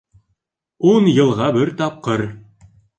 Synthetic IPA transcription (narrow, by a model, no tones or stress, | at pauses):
unjɤ̆lˠʁɑbɘɾt̪ɑp̚qɤɾ